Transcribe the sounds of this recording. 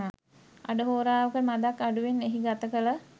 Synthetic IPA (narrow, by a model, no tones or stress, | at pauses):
a̰ɖəɦoːɾaːʋəkəmad̪akːaɖuʋenːeɦiɡat̪əkələ